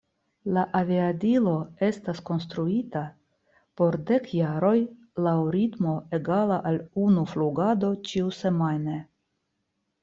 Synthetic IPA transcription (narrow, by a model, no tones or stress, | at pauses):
laʔaviadilo̞e̞stasko̞nst̪ɾuita | po̞ɾde̞kjaɾo̞j | lawɾitmo̞eɡalaʔalunufluɡado̞t͡ʃiuse̞majne